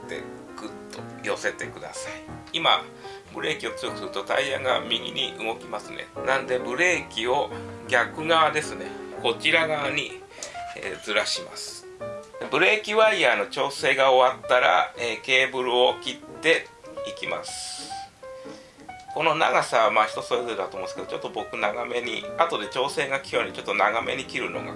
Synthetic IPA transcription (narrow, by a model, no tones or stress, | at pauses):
t̪ḛ | kɯ̟t̪ːojo̞se̞t̪e̞kɯ̟d̪a̰saiima̰ | bɯ̟ɾe̞ːkʲio̞t͡sɨsɨɯ̟t̪ot̪a̰iã̰ŋɡa̰mʲiɡʲḭɲ̟ḭʔɯɡo̞kʲimasɨne̞̰nãnd̪e̞bɯ̟ɾe̞ːkʲio̞ɡʲakɯ̟ɡad̪e̞sɨne̞̰ko̞t͡ɕiɾaɡaɲ̟i | ḛd͡zɨɾaɕimasɨ̥ | d̪e̞bɯ̟ɾe̞ːkʲiβaiaːno̞t͡ɕo̞ːse̞ːɡao̞βat̪ːaɾa̰eːke̞ːbɯ̟ɾɯ̟o̞kʲit̪ːe̞ | ikʲima̰sɨ̥ | ko̞no̞na̰ɡasaβamaçi̥t̪o̞so̞ɾe̞zo̞ɾe̞d̪at̪oːmõːsked̪ot͡ɕo̞t̪ːo̞bo̞kɯ̟naɡame̞ɲ̟ḭat̪o̞d̪e̞t͡ɕo̞ːse̞ːɡakʲijoɲ̟it͡ɕo̞t̪ːo̞naɡame̞̰ɲ̟ikʲiɾɯ̟no̞̰ɡa̰